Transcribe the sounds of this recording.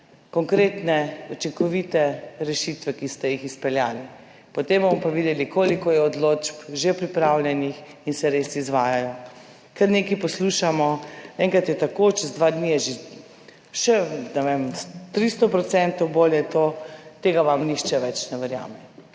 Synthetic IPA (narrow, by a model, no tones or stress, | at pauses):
kɔŋkɾeːt̪nɛut͡ʃiŋkɔʋit̪ɛɾɛʃit̪ʋɛkist̪ɛjixispɛljaːli | pɔt̪embomɔpaʋid̪ɛlikʰoːlikɔjɛɔd̪lod͡ʒpʒepɾipɾawljɛnix | insɛɾesizʋaːjajɔ | kɛɾneːkipɔsluːʃamɔɛːŋkat̪jɛt̪akot͡ʃɛzd̪ʋad̪nijɛʒe | ʃɛnɛʋemst̪ɾist̪ɔpɾɔt̪sɛnt̪owboljɛt̪ot̪eːɡaʋamnixt͡ʃɛʋɛt͡ʃnɛʋɛɾja̰ːmɛ